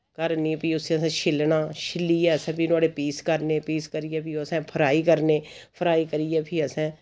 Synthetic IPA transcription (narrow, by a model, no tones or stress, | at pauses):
kəɾnipiːʊseəsɛ̃ːʃʰɪlnaːʃʰɪliːɛːəsɛ̃ːpʰiːnʊaːɽeːpiːskəɾneːpiːskəɾijɛːpiːəsɛ̃ːpʰəɾaːiːkəɾneː | pʰəɾaːiːkəɾiːɛːpʰiːəsɛ̃ː